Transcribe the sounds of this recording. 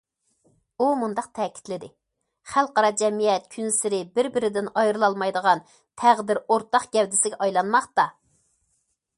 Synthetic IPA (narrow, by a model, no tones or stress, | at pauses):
umund̪ɑq̚t̪ʰɛːkʲʰi̥t̪lɪd̪ɪ | χælˠqɑɾɑd͡ʒɛmijɛt̪̚kʲʰynsɪɾɪbɪɾbɪɾɪd̪ɪnɑjɾɨlˠɑlˠmɑjd̪əʁɑn | t̪ʰæʁd̪ɪɾoɾt̪ɑqɡʲɛwd̪ɪsɪɡʲɛʔɑjlˠɑnmɑχt̪ɑ